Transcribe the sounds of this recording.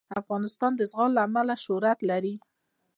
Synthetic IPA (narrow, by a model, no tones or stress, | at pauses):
afɣɑnɪst̪ɑnd̪əzɣɑllaːmalaʃʊɾat̪laɾi